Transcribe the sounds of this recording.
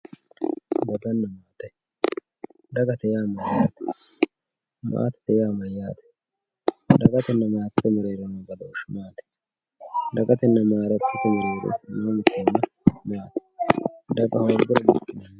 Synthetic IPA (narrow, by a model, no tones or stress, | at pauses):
bɐɡɐnːɐmaːt̪ɛ | d̪ɐɡɐt̪ɛjaːmɐjːaːt̪ɛ̥ | ma̰ːt̪ɛ̥t̪ɛjaːmɐjːaːt̪ɛ̥ | d̪ɐɡɐt̪ɛnːɐmaːt̪t̪ːɛmɔɾeːɾɔnɐbɐd̪ɐʃmaːt̪ɛ̥ | d̪ɐɡɐt̪ɛnːɐmaːɾɐt̪ːɛt̪ːɛmɔɾeːɾɔ̰noːmɪt̪ːɛnːɐ | maːt̪ɛ̥d̪ɐɡɐhoːɾɡʊɾɐb̪ɪkːɪnɐn